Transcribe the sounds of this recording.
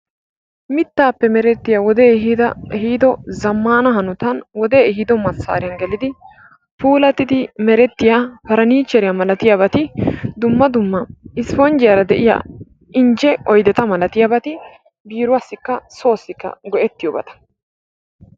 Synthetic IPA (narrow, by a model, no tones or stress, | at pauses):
mɪt̪ːaːpːɛmɛɾɛt̪ːɪjawɔd̪eːɦiːd̪ɐɛhiːd̪ɔzɐmːaːnɐɦɐnʊt̪ɐnwɔd̪e̞ːɛhiːd̪ɔmɐsa̰ːɾɪjɐnɡɛlɪd̪ɪ | puːlɐt̪ːɪd̪ɪmɛɾɛt̪ːɪjapɐɾɐniːt͡ʃːɛɾɪjamɐlɐt̪ɪjabɐt̪ɪd̪ʊmːɐd̪ʊmːɐɪsfɔnd͡ʒɪjɐɾɐd̪ɛʔɪja̰ː | ɪnd͡ʒɛɔjd̪ɛt̪ɐmɐlɐt̪ɪjabɐt̪ɪ | biːɾʊwɐsːɪkːɐso̞ːsːɪkːɐ̰ɡɔʔɛt̪ːɪjoːbɐ̰t̪ɐ̥